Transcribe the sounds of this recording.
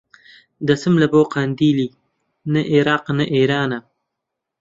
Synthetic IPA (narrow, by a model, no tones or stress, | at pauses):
d̪asɪmlaboːqand̪iːli | naʔeɾɑːqnaʔeɾɑːna